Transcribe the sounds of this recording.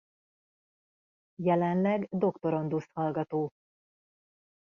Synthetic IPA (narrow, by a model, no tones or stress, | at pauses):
jɛlɛnlɛɡd̪o̞kt̪o̞ɾo̞nd̪ust̪hɒlɡɒt̪oː